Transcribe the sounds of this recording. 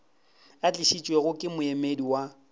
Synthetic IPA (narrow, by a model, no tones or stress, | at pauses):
at͡ɬʼɪʃit͡ʃʼwɛɣʊkʼɪmʊɛmediwa